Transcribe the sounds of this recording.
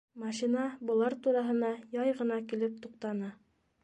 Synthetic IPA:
mɑʃinɑbŏlˠɑɾt̪uɾɑɦɤ̆nɑjɑjʁɤ̆nɑkilɘp̚t̪uqt̪ɑnɑ

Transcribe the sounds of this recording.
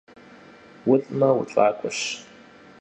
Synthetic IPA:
wʊɬʼmɐwʊʈ͡ʂʷʼaːkʷʼʊɕ

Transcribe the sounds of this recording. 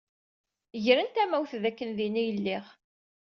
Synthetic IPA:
ʝɾənt̪æmæwθðækːənðinijəlːiʁ

